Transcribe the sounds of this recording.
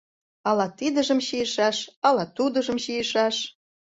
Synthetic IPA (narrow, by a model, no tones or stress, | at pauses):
ɑlɑt̪id̪əʒə̆mɕijə̆ʃɑʃɑlɑt̪ud̪ə̆ʒə̆mɕijəʃɑʃ